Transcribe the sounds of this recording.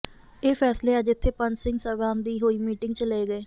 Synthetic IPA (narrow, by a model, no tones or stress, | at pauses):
eːpʰɛːsleːəd͡ʒɪt̪ʰːeːpənsɪ̃ŋɡsəʋãːnd̪iːɦoːiːmiːʈɪŋɡt͡ʃəleeːɡəeː